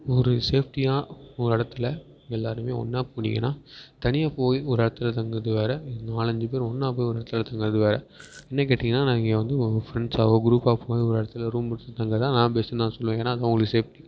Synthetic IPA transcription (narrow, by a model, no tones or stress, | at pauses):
ɔɾɯseːpʈijaːɔɾɪɽɐt̪ːɯlɐ | ɛlːaːɾɯmeːɔ̰nːaːpoːnɪ̰ŋɡɐ̰naːt̪ɐnɪjaːpoːjiɔɾɯɪɽɐt̪ːɯlɐt̪ɐŋɡɐɐðɯʋeːɾɐnaːɭɐɲd͡ʒɯpeːɾɔnːaːpoːjiɔɾɐɽɐt̪ːɯlɐt̪ɐŋɡɐɾɐðɯʋeːɾɐ | ɛnːɐkeːʈːɪŋɡɐnːaːnãːɪɡŋɡɐʋɐnd̪ɯɔfɾɛɳɖsaːʋoːɡɪɾuːpaːpʰoːjiɔɾɯɪɽɐt̪ːɯlɐɾuːmbɐɽɯt̪ːɯt̪ɐŋɡɐt̪ãːnãːpeːsɯ̃nãːsɔlːʋẽːŋɡɐnːaːðãːʊŋɡɐɭɐɯseːfʈi